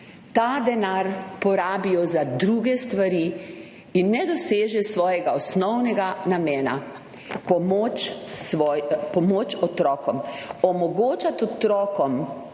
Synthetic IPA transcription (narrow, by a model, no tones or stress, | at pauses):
t̪aːd̪ɛnaɾpɔɾaːbijɔzad̪ɾuɡɛst̪ʋaɾi | inːɛd̪ɔseːʒɛsʋɔːjɛɡaɔsnɔwnɛɡanamɛːna̰ | pɔmot͡ʃsʋɔjpɔmoːt͡ʃɔt̪ɾɔːkɔmɔmɔɡoːt͡ʃat̪ɔt̪ɾɔːkɔm